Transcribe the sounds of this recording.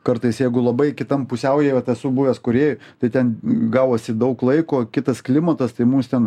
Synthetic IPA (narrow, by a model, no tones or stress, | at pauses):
kɐɾt̪ɐɪsjɛɪɡʊlˠɐbɐɪkʲɪt̪ɐmpʊsʲɛʊjeːʋɐt̪ɐsuːbuːʋʲɛskʊɾʲeːjʊt̪ɐɪt̪ʲɛnɡɑːwoːsʲɪd̪ɐʊklˠɐɪkoːkʲɪt̪ɐsklʲɪmɐt̪ɐst̪ɐɪmuːst̪ʲɛn